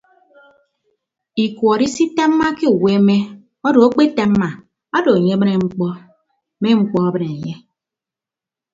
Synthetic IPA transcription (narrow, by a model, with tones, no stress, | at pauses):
i˨kʷɔ˨ɾi˦si˦ta˦m̩˦ma˦ke˦u˨we˦me˦ | ɔ˦do˨o˦k͡pe˦ta˨m̩˦ma˨ | a˦do˨ɲe˦mɨ˦ne˨ŋ͡m̩˦k͡pɔ˦ | me˦ŋ͡m̩˦k͡pɔ˦ɔ˦bɨ˨ne˨ɲe˦